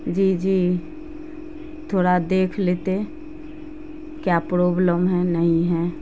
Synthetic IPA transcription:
d͡ʒiːd͡ʒiː | t̪ʰoːɽad̪eːkʰleːt̪e | kjaːpɾoːbləmɦɛnəɦĩɦɛː

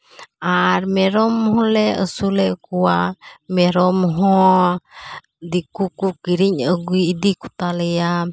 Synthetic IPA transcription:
aɾmɛɾɔmɦɔ̃lɛəsulɛʔkuwamɛɾɔmɦɔ̃ | d̪ikukukiɾiɲəɡujid̪ikut̪alɛja

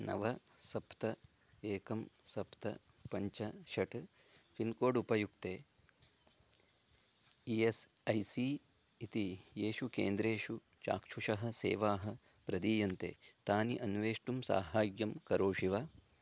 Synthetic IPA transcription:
nɐ̰ʋɐ | sɐpt̪ɐ | eːkɐmsɐpt̪ɐ̰ | pɐɲt͡ʃɐʃɐʈ | finkoːɖupɐjuk̚t̪eː | ies | ɐjsi | it̪ijeːʃukḛːnd̪ɾeːʂu | t͡ʃa̰ːkʂuʂɐɦɐ̆sḛːʋaːɦɐ̆ | pɾɐd̪iːjɐnt̪ḛːt̪aːniʔɐnʋeːʂʈumsa̰ːɦaːɡjɐmkɐɾoːʂiʋaː

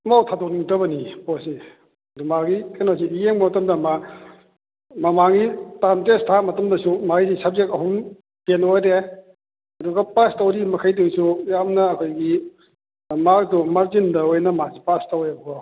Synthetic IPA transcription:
mawtʰadokniŋtɐbɐniposi | dumaɡikanosiijeŋbɐmɐtɐmdɐma | mɐmaŋitantestʰamɐtɐmdɐsumajzisap̚zek̚ɐɦum | tenojde | ɐduɡɐpastawɾimɐkʰajtusujamnɐːkʰojɡi | mak̚dumaɾzindɐojnɐmazipastaweɐbukɔ

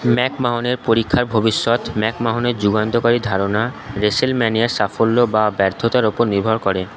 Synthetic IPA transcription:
mɛkmaɦoneɾpoɾikʰːaɾbʱobiʃːot̪mɛkmaɦoneɾd͡ʑuɡant̪okaɾid̪ʱaɾonaɾesilmɛniaɾsafolːobabɛɾd̪ʰʱot̪aɾopoɾniɾbʱoɾkɔɾe

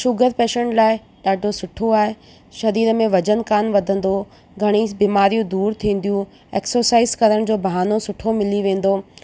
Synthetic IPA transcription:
ʃʊɡəɾpeːʃẽɳʈlaːɪ | ɗaːɖʱosʊʈʰoaːɦe | ʃɐd̪iːd̪mẽʋɐd͡ʑənkaːnʋɐd̪ʱə̃n̆d̪o | ɡʱɐɽ̃ibiːmaːɾijũd̪uːɾt̪ʰĩːn̆d̪ijũ | eːksəɾsaːɪzkɐɾəɽ̃d͡ʑoːbʱɐɦaːnosʊʈʰomɪliʋẽːn̆d̪oː

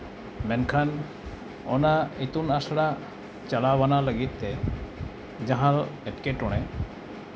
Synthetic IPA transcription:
mɛnkʰan | ɔ̰nait̪unasɽa | t͡ʃalawanaləɡit̪ːɛ | d͡ʒaɦãlɛʈkeʈɔɽ̃ɛ

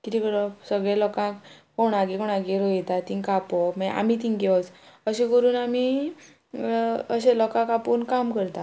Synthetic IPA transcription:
k̪it̪iklɔsəɡɭɛlɔkãkkoɽãɡikɔɽ̃ãɡeɾoit̪at̪iŋkapɔmaʔa̰mit̪̬iŋɡeɔt͡səɕekəɾuːnami | əɕẽlɔkãkapuːnkamkəɾt̪a

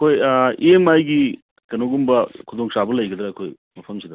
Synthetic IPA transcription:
ɐkʰojiemajɡi | kɐnoɡumbɐkʰud̪oŋsabɐlɐjɡɐd̪ɾeɐkʰoj | mɐpʰɐmsid̪ɐ

